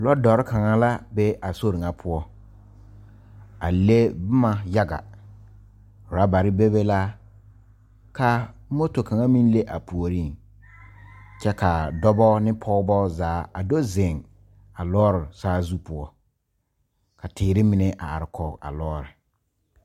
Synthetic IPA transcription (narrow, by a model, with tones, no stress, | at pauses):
lɔ˦dɔ˨ɾɪ˦ka˨ŋa˦la˦be˦a˨so˦ɾɪ˨ŋa˦pʰʊ˦ɔ˦ | a˨le˦bʊ˦ma˨ja˦ɡa̰˨ | ʊ˨ɾa˦ba˨ɾɪ˦be˦be˦la˦ | ka˦mo˦to˨ka˨ŋa˦mĩ˦n˦le˦ʔa˨pu˨o˨ɾi˦˨ŋ | t͡ʃɛ˦ka˨dɔ˦bɔː˦nɪ˦pʰɔ˦ʊ˦bɔː˦zaː˨˦a˨do˦zɪ˨ŋ | a˨lɔː˦ɾɪ˨saː˦zu˦pʊ˦ɔ˦ | kʰa˨tɪː˨ɾɪ˦mɪ˨nɛ˦ʔa̰˨a̰˨ɾɪ˨kʰɔ˦a̰˨lɔː˦ɾɪ˨